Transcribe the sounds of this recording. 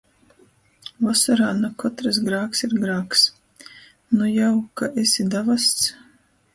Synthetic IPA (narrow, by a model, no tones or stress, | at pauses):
vasaɾaːnakɔt̪ɾasɡɾaːksiɾɡɾaːks | nujawkaʔesʲid̪avast̪s